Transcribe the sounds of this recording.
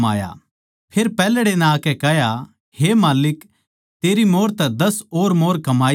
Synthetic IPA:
a̰ːja̰ | pʰeːɾpɛːlɽenãːkɛkɛɦja | hemaːlɪk | t̪eːɾimoːɾt̪ɛd̪ɐsoːɾmoːɾkɐmaː

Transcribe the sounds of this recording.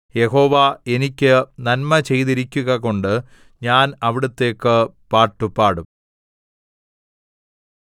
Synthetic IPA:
je̞ho̞ːʋɐe̞nikʲːɨnɐnmɐt͡ɕe̞jðiɾikʲːuɣɐko̞ɳɖɨ | ɲaːnɐʋiɽut̪ːe̞ːkːɨpaːrʈːupaːɽum

